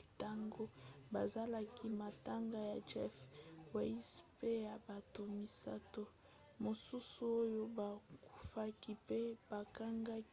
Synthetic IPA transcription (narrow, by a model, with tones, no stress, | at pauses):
ta˦ŋɡo˦ba˨za˦la˨ki˦ma˨ta˦ŋɡa˨ja˨d͡ʒɛ˦fwa˨i˦spe˦ja˨ba˨to˨mi˨sa̰˦to˦ | mo˨su˦su˨o˦jo˦ba˨ku̥˨fa˦ki˦pe˦b̥a˨ka˦ŋɡa˦k